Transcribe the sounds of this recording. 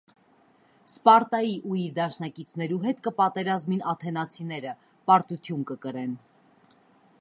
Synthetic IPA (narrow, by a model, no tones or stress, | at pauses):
spɑɾt̪ɑjiʔuiɾd̪ɑʃnɑkit͡sʰnɛɾuɦɛt̪kəpɑt̪ɛɾɑzminɑt̪ʰɛnɑt͡sʰinɛɾə | pɑɾt̪ut̪ʰjunkəkəɾɛn